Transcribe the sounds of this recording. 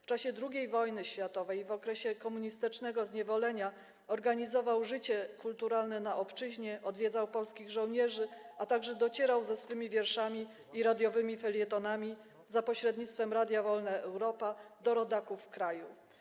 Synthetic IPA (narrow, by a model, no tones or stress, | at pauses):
ft͡ʂaɕɛd̪ɾuɡʲejvɔjnɘɕfʲjat̪ɔvɛjvɔkɾɛɕɛkɔmuɲist̪ɘt͡ʂnɛɡɔzɲɛvɔlɛɲa | ɔɾɡaɲizɔvawʐɘt͡ɕɛkult̪uɾalnɛnaʔɔpt͡ʂɘʑɲɛʔɔd̪vʲɛd̪zawpɔlskʲiɣʐɔ̃wɲɛʐɘat̪aɡʐɛd̪ɔt͡ɕɛɾawzɛsfɘmʲivʲjɛɾʂamʲiː | ɾad̪ʲjɔvɘmʲifɛlʲjɛt̪ɔnamʲi | zapɔɕɾɛd̪ɲit̪t̪fɛmɾad̪ʲjavɔlnɛʔɛwɾɔpad̪ɔɾɔd̪akufːkɾaju